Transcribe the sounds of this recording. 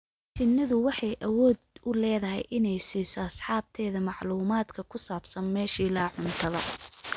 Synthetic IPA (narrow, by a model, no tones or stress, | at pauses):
t͡ʃɪnːɐðʊwɑħɑjʔɐwɔːd̪ʊlɛːðɐɦɛ̰jʔɪnɛjsiːsɔɐsħɑːb̚t̪ʰɛːðɐmɑʕluːmaːd̪kʰɐkʰʊsaːbsɐnmɛːʃiːlaːʕʊnt̪ʰɐðɐ̰